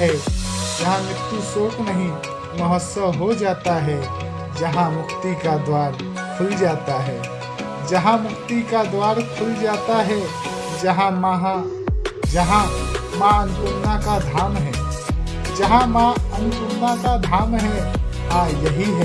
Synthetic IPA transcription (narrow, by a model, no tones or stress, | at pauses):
ɦɛd͡ʒɐɦãmɪkt̪usoːknəɦĩ | mɐɦəsəɦod͡ʒaːt̪aɦɛ | d͡ʒɐɦãmʊkʰt̪ikad̪waːɾ | kʰʊld͡ʒaːt̪aɦɛː | d͡ʒɐɦãmʊkʰt̪ikad̪waːɾkʰʊld͡ʒaːt̪aɦɛ | d͡ʒɦãɦ | d͡ʒɐɦã | mãɐnkʊɾnakad̪ʱaːmɦɛ̃ː | d͡ʒɐɦãmãɐnkʊɾnakad̪ʱaːmɦɛ̃hãːjɐɦiɦɛ